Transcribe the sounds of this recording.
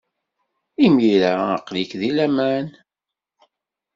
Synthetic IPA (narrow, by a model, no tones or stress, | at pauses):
imiɾaəqlikðilæmæn